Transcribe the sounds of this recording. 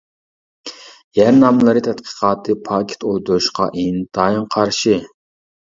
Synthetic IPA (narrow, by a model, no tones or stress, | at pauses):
jæɾnɑmlˠɨɾɨt̪ʰɛt̪qʰə̥qʰɑːt̪ʰɨpʰɑkʲʰe̥t̪ʰolˠd̪uɾuʃqʰɑ̰ʔend̪̥ɑɨŋqʰɑɾʃɪ